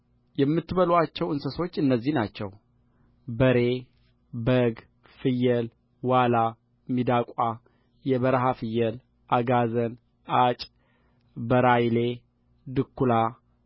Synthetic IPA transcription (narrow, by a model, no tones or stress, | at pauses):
jɛmːɨt̪ːɨβəlwat͡ʃːɛwɨnsəso̞t͡ʃːɨnːəzːihnat͡ʃːɛ̰w | bəɾe | bəɡ | fɨjːɛl | wala | mid̪akʼa | jɛβəɾɦafɨjːɛl | ʔaɡazən | at͡ʃʼ | bəɾajle | d̪ɨkːula